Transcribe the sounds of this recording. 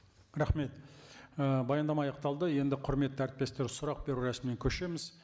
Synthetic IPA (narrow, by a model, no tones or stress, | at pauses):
ɾɑχme̞t̪əbɑjɑnd̪ɑmɑɑjɑq̚t̪ɑlˠd̪əje̞nd̪ɪqʰʊɾme̞t̪ːɪæɾɪt̪̚pe̞st̪e̞ɾsʊɾɑq̚be̞ɾuɾæsmɪneŋkʲʰɵʃe̞mɪz